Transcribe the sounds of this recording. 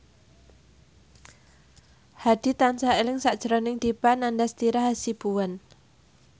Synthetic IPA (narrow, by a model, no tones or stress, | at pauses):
had̪̥i̤t̪ansaelɪŋsaʔd̥ʒ̥əɾɔnɪŋd̪̥ipanandast̪iɾaɦasib̥uwan